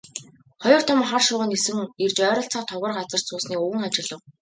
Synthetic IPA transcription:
χɔjɞ̆r̥t̪ʰɔmχarʃʊːʁə̆nesɘ̆ŋert͡ɕœːɾɞ̆ɬt͡saːχt̪ʰɔʁə̆rɢat͡sə̆r̥t̪sʰʊːsniːkɵɣɘ̆ŋat͡ɕɪ̆ɮə̆w

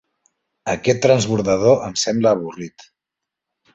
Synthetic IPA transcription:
əkɛt̪ːɾənzβuɾðəðoəmsɛmbləːβ̞urit̪

